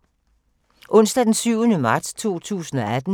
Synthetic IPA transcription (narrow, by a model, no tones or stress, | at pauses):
ʔɔ̽n̰sd̥æd̥ensyʊənəmɑ̈ːd̥st͡sʰo̝̰ːt͡sʰṵːsn̩ɒ̽æd̥n̩